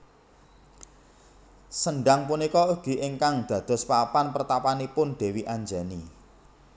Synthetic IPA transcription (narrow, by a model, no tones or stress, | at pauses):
səɳɖaŋpunikɔuɡ̥i̤ʔɪŋkaŋd̪̥ä̤d̪̥ɔ̤spapanpərt̪apanipʊnd̪̥e̤wiʔaɲd͡ʒani